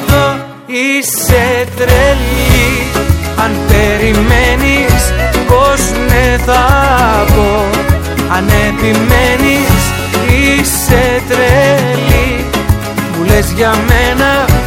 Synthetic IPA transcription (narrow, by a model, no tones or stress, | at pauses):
ðo | iset̪ɾeli | ɐnpe̞ɾimenis̞oz | meθɐpo̞ | ɐnepimenis | iset̪ɾeli | mulezʝɐmenɐ